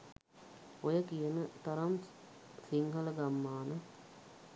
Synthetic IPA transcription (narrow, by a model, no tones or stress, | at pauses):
ojəkijənət̪ɐɾɐm | siŋɦələɡamːaːnə